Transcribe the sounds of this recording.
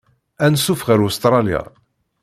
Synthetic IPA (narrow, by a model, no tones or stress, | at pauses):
ænsufʁəɾust̪ɾˤɑlija̰